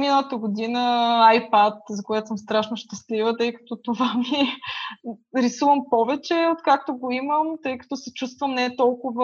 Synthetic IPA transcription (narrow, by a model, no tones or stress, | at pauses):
minəlˠət̪əɡʊd̪inəajpat̪zɐkoɛt̪osəmst̪ɾaʃnoʃt̪ɐslivət̪ɤjkɐ̥t̪ɔt̪ovami | ɾisuvəmpɔvɛt͡ʃɛot̪kak̚t̪oɡoiməmt̪ɤjkɐ̥t̪ɔsɛt͡ʃus̬t̪vəmnɛt̪ɔlˠkʊvə